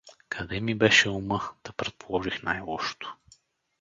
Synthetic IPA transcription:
kʰɐd̪ɛmibɛʃɛumɤd̪̥ɐpɾɛt̪̚polˠɔʒixnajlˠɔʃo̥t̪oʊ̥

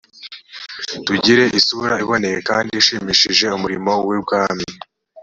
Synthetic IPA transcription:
tuɟiɾe̞ʔisuɾaiβo̞ne̞jekaːndiːʃiːmiʃiʒe̞umuɾimo̞wib̚ɡaːmi

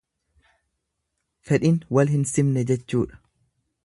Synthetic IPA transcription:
fɛᶑɪnwɐlhɪnsɪmnɛd͡ʒɛt͡ʃːuːᶑɐ̥

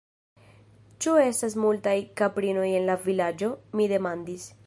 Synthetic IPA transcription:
t͡ʃue̞stas̬multajkapɾino̞je̞nlavilad͡ʒo̞mide̞mandis

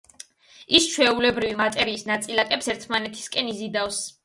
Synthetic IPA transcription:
ist͡ʃʰwɛulɛbɾivimat̪ʼɛɾiːsnat̪sʼilakʼɛpsɛɾt̪ʰmanɛt̪ʰi̥skʼɛnizid̪afs

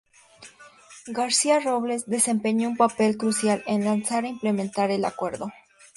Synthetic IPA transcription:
ɡaɾsiaroβle̞sd̪e̞se̞mpeɲoumpape̞lkɾusjalenlansaɾaimple̞mẽnt̪aɾe̞la̰kwe̞ɾðo̞

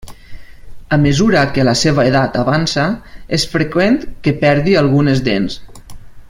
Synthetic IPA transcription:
amezuɾakelaseβaeðat̪aβansaesfɾekwent̪kepɛɾðialˠɣunezd̪ens

